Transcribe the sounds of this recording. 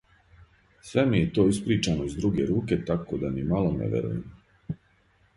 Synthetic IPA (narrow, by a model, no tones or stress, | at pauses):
sʋe̞mijet̪oːispɾiːt͡ʃanoizd̪ɾuɡe̞ɾuːke̞t̪akod̪amimalonḛʋḛɾṵjḛm